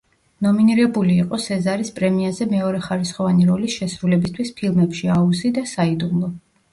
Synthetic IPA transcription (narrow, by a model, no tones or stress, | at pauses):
nɔminiɾɛbuliːqʼɔsɛzaɾispʼɾɛmiazɛmɛɔɾɛχaɾisχɔvaniɾɔlisʃɛsɾulɛbist̪ʰwispʰilˠmɛpʃiauzid̪asaid̪umlˠɔ